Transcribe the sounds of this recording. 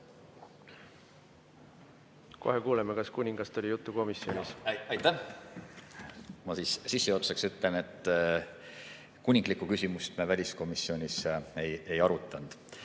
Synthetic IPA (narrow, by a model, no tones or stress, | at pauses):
ko̞̰hekuːlemekɑskunʲiŋɡ̥ɑst̪olʲijut̪ˑːuko̞misio̞nʲisɑjt̪ːæ | mɑsiːssisːeot̪seksyt̪lene̞t̪ːˑ | kunʲːiŋɡ̥likːˑukysʲimust̪mevælʲisko̞misːio̞nʲise̞je̞jɑɾut̪ːˑɑnd̪̥